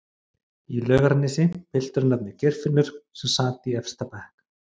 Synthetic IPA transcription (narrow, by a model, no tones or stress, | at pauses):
ilœːɣaɾnɪsɪpʰɪl̥t̪ʏɾʏnap̪nɪcɛr̥fɪnːʏɾ̥sʏsaːt̪iɛfst̪ʰapahk